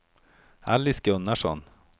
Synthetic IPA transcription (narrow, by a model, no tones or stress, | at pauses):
a̰lːɪsɡɵnːaʂɔ̰n